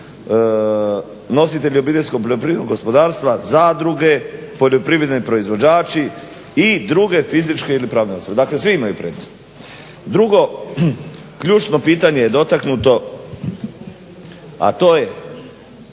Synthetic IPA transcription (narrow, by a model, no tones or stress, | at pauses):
no̞sit̪e̞ʎio̞biːt̪̬e̞lʲskopoʎo̞pɾiʋed̪noɡo̞spo̞d̪aːɾst̪ʋazad̪ɾuɡe̞po̞ʎo̞pɾiʋɾed̪nipɾo̞izʋo̞d͡ʑaːt͡ʃi | id̪ɾuɡe̞fizit͡ʃke̞ilipɾaːʋneosobed̪akle̞sʋiimajupɾeːd̪nost̪ | d̪ɾuɡo̞ | kʎuːt͡ʃno̞piːt̪aɲe̞jed̪o̞t̪aknut̪o̞ | a̰t̪o̞ːje